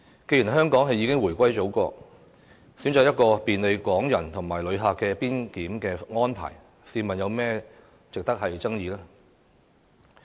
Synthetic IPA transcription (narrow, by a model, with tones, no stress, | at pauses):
ke˧jy˨˩nɦœː˥ŋkɔː˨˥ŋɦɐ˨jiː˨˥kɪ˥ŋwu˨˩jkʷɐ˥jt͡so˨˥wkɔː˧ | siː˨˥mt͡sɔː˨˧jɐ˥t̚kɔː˧piː˨nle˨˧jkʷɔː˨˥ŋjɐ˨˩nt̪ʰʊ˨˩ŋmaː˨˩jlɵ˨˧ɥɦaː˨kːɛː˧piː˥nkiː˨˥mkɛː˧ŋɔː˥npʰa̰ː˨˩j | siː˧mɐ˨njɐ˨˧wmɛː˥ | t͡sɪ˨k̚t̪ɐ˥k̚hɐ˨jt͡sɐ˥ŋjiː˨˧lɛː˥